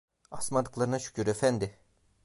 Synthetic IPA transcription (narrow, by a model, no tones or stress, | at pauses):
asmand̪ɯklˠaɾɯnaʃy̥cʰʲyɾefɛnd̪ɪ